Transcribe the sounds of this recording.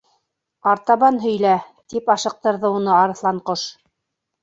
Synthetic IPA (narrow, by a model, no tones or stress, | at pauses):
ɑɾt̪ɑβɑnɦɵ̆jlæt̪ipɑʃɤ̆q̚t̪ɤ̆ɾðɤunɤɑɾɤ̆θlˠɑɴqoʃ